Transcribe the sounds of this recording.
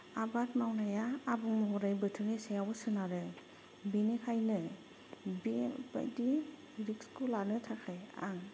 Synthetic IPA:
abatmawnajaːbuŋmɔɦɔɾajbɯtʰɯnisajawbusɯnaɾɯ | binikʰajnɯ | biba̰di | ɾikskʰulanɯtʰakʰaja̰ŋ

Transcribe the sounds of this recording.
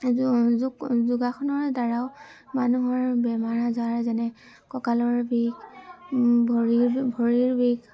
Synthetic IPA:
zzuzuɡaxʰɔnɔɹdaɹaʊmanuɦɔɹbɛmaɹazaɹzanɛ | kɔkalɔɹbiɡ | bʱɔɹibʱɔɹiɹbiɡ

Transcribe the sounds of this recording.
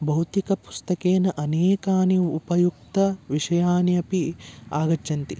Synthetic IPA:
bʱɐwut̪ikɐpu̥st̪ɐkeːnɐʔɐneːkaːniupɐjuk̚t̪ɐʋiʂɐjaːnjɐpiaːɡɐtːʃɐnt̪i

